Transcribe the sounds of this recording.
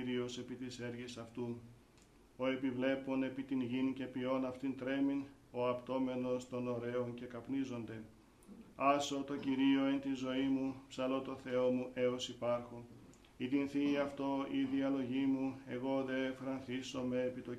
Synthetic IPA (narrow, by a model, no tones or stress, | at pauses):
ɾio̞se̞pit̪ise̞ɾʝisɐft̪u | o̞e̞pivle̞po̞ne̞pit̪inʝince̞pio̞nɐft̪int̪ɾe̞mino̞ɐpt̪o̞me̞no̞st̪o̞no̞ɾe̞o̞nce̞kɐpnizo̞nd̪e̞ | ɐso̞t̪o̞ciɾio̞ent̪inzo̞imupsɐlo̞t̪o̞θe̞o̞muʔe̞o̞sipɐɾxo | it̪inθiːɐft̪o̞iðiɐlo̞ʝimue̞ɣo̞ðe̞fɾɐnθiso̞me̞ːpit̪o